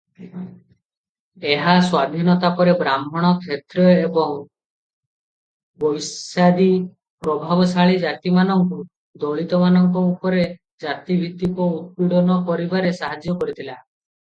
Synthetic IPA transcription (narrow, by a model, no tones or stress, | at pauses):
eɦaswab̪ʱinɔt̪apɔɾebɾamɔɽ̃ɔkʰet̪ɾɔebɔŋ | bɔjsad̪i | pɾɔbʱabɔsaɭid͡ʒat̪imanɔŋku | d̪ɔɭit̪ɔmanɔŋkɔupɔɾe | d͡ʒat̪ibʱit̪ikɔut̪̚piɽɔnɔkɔɾibaɾesaɦad͡ʒjɔkɔɾit̪ʰila